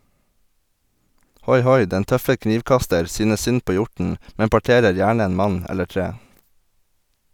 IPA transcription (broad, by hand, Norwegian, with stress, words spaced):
ˈhɔʏˌhɔʏ ˈdɛn ˈtœfə ˈkniːʋˌkɑstəɾ ˈsyːnəs ˈsʏn ˈpoː ˈjʊʈn̩ ˈmɛm pɑˈʈeːɾəɾ ˈjæːɳə ˈeːn ˈmɑɲ ˈɛlə ˈʈɹeː